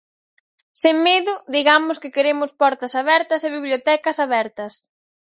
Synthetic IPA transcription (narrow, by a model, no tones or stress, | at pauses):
seŋmeðʊðiɣamʊskɪkeɾemʊspɔɾt̪ɐsaβɛɾt̪ɐseβiβljot̪ɛkɐsaβɛɾt̪ɐs